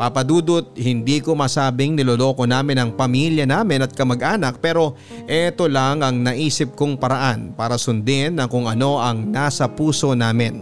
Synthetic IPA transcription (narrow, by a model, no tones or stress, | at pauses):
pɐpɐd̪uːd̪ot̪̚hɪnd̪iːko̞masaːbɪŋnɪlolo̞ːko̞naːmɪnɐŋpɐmiljɐnaːmɪnɐt̪̚kɐmɐɡʔaːnɐk̚pɛːɾo̞ | ʔɛt̪o̞laŋɐŋnɐʔiːsɪp̚koŋpɐɾɐʔanpaːɾɐsʊnd̪ɪnːɐkʊŋɐno̞ʔɐŋnasɐpuːso̞naːmɪn